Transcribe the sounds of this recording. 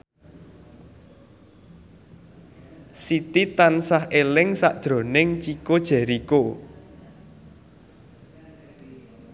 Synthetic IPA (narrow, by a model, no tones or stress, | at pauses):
sit̪it̪ansahʔelɪŋsaʔd̥ʒ̥ɾo̤nɪŋt͡ʃikod̥ʒ̥ɛ̤ɾiko